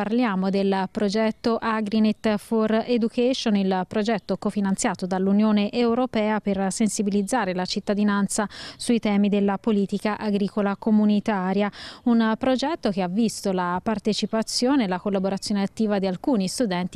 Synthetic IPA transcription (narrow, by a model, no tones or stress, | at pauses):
parljaːmod̪elpɾod͡ʒɛt̪ːoʔaɡɾinet̪ːfored̪ukɛʃonilpɾod͡ʒɛt̪ːokofinant̪sjaːt̪od̪alːunjoːneʔewɾopɛːapersensibilid̪zːaːɾelat͡ʃit̪ːad̪inant̪sasuit̪ɛːmid̪elːapoliːt̪ikaʔaɡɾiːkolakomunit̪aːɾjaunpɾod͡ʒɛt̪ːok̟eavːist̪olapart̪et͡ʃipat̪sjoːnelakolːaboɾat̪sːjoːneat̪ːiːvad̪ialkuːnist̪ud̪ɛnt̪i